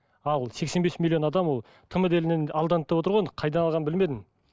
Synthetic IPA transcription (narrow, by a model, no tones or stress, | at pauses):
ɑlˠse̞ksenbe̞smʲilʲˠːio̞nɑd̪ɑmwo̞lˠ | t̪ʰəməd̪e̞lɪnenɑlˠd̪ɑnət̪ːɑpwot̪əɾʁɑnəqʰɑjd̪ɑnɑlˠʁɑnbɪlme̞d̪ɪn